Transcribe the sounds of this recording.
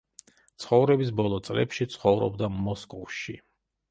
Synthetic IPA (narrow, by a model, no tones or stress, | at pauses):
t̪sʰχɔvɾɛbis̬bɔlˠɔt̪sʼlɛ̰pʃit̪sʰχɔvɾɔ̰bd̪amɔskʼɔvʃi